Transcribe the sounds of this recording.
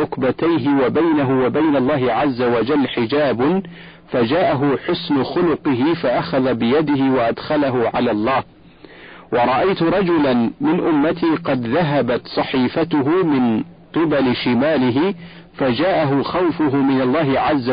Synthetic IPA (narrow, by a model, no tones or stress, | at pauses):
ʊkbat̪ajɦɪwabajnaɦʊwabajnalˤːɑːɦɪʕazːawad͡ʒalːħɪd͡ʒaːb | fad͡ʒaːʔaɦʊħʊsnʊxʊlʊqɪɦɪfaʔaxaðabɪjad̪ɪhɪwaʔad̪xalaɦʊʕalaːlˤːɑːh | wɑɾˤɑʔajt̪ʊɾˤɑd͡ʒʊlanmɪnʔʊmːat̪iːqɑd̪ðaɦabat̪sˤɑħiːfat̪ʊɦʊmɪn | qɨbalɪʃɪmaːlɪɦɪ | fad͡ʒaːʔaɦʊxawfʊɦʊmɪnalˤːɑːɦɪʕazːa